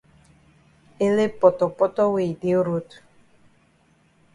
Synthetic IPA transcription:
e˦le˦pɔ˨tɔ˨pɔ˦tɔ˦we˨de˨˦o˦ɾo˦tu̥˨

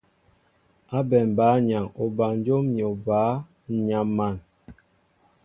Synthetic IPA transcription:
a˦bɛ˨m˨baː˨˦ɲa˨ŋo˨ba˨ŋn˦d͡ʒo˦mi˨o˨baː˨˦˨ | ɲa˨mːa˨n

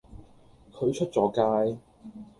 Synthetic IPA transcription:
kʰɵ˨˧ɥt͡ʃʰɵ˥t̚t͡sɔː˨˥kaː˥j

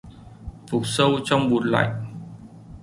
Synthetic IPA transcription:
fʊ˨˩t̚sə˧wt͡ɕɔ˧wŋ͡mɓu˨˩ənla̰˧˨j

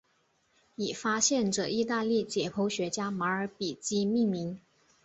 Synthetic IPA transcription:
i˨˩fa˥ɕjɛ˥˩nʈ͡ʂɤ̰˨˩i˥˧t̪a˥˧li˥˩t͡ɕjɛ˨˩pʰo˧˥ʊɕɥɛ˧˥t͡ɕja˥ma˧˥ə˞˧˥pi˨˩t͡ɕi˥mi˥˩ŋmi˧˥ŋ

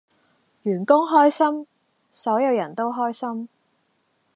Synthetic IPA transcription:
jyː˨˩nkʊ˥ŋɦɔː˥jsɐ˥m | sɔː˨˥jɐ˨˧wjɐ˨˩nt̪o˥wɦɔː˥jsɐ˥m

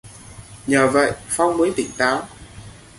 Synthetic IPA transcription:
ɲəː˨˩və̰˧˨jfa˧wŋ͡mmə˨˦jt̪ï˧˩ŋ̟t̪aː˨˦w

